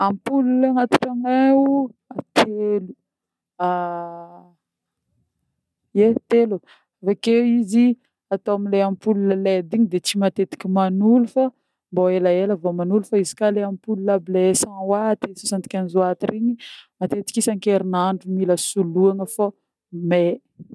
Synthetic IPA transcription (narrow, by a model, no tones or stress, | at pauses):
ampululaŋat̪u̥ʈ͡ʂaŋauat̪ʰelu | a | et̪elu | avakewizi | at̪owamileampululəled̪iɲid̪et͡ʃimat̪et̪i̥kʲimanulufa | mboelaeləvomanulufaizi̥kaleamipululableesãwat̪esosant̪i̥kʲanizoat̪iriɲimat̪et̪i̥kʲisaŋkeɾinaɳɖ͡ʐumiləsuluaŋəfo | me